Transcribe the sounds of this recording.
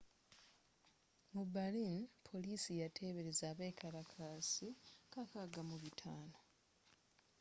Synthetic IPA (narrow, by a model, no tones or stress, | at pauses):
mubalinpʰo̞liːsijatʰe̞ːβe̞ɾezaːβeːkaɾakʰasikakaɡamuβitʰaːno̞